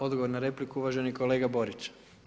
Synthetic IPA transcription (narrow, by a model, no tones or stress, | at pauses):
o̞d̪ɡoʋoɾnaɾe̞plikuuʋaʒenikole̞ːɡabo̞ɾit͡ʃ